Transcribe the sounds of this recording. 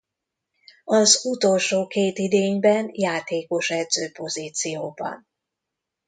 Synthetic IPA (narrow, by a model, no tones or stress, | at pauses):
ɒzut̪o̞lʃoːkeːt̪id̪eːɲbɛnjaːt̪eːko̞ʃɛd̪zøːpo̞ziːt̪sijoːbɒ̰n